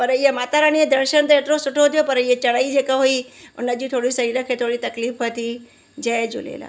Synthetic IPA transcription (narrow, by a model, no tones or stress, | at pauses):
pɐɾiɦemaːt̪aɾañiẽd̪əɾʃənt̪eet̪ɾosʊʈʰot̪ʰijopɐɾiɦet͡ʃɐɽaid͡ʒeːkaɦoiʊnəd͡ʑit̪ʰoːɽisɐɾiːɾə̃kʰet̪ʰoːɽit̪ɐkliːfʋət̪i | d͡ʒəed͡ʒʊ̰lḛːla̰ː